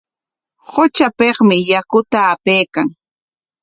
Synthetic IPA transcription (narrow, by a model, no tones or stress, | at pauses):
hot͡ʃapeχmɪjakʊt̪aːpejkaŋ